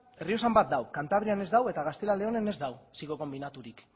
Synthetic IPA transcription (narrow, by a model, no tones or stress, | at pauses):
e̞rio̞sambat̪̚d̪awkant̪aβ̞ɾiane̞zd̪awe̞t̪aɣast̪e̞lale̞o̞ne̞ne̞zd̪awsiɣo̞ko̞mbinat̪uɾik